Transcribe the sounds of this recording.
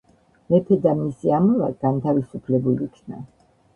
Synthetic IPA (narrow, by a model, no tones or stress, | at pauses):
mɛpʰɛd̪amisiamula̰ɡant̪ʰavisupʰlɛbulikʰna̰